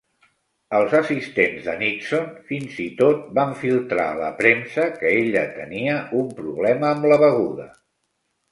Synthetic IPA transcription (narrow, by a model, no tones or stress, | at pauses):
əlˠzəsist̪enzðə̰niksonfinzit̪ot̪̚baɱfilˠt̪ɾa̰lə̰pɾensəkəeʎət̪əniəʔumpɾuβlɛməːmləβəɣ̞uðə